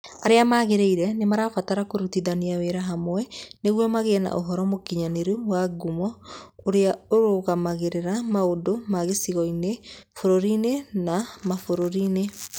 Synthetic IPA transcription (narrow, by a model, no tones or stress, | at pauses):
aɾeamaːɣeɾeiɾɛnemaɾafataɾakoɾutiðaniaweɾaɦamwɛneɣwɔmaɣeɛna̰ʔoɦɔɾɔmokiɲaneɾuwaɡumɔoɾeaoɾoɣamaɣeɾeɾamaodomaɣesiɣɔinefoɾoɾinenamafoɾoɾine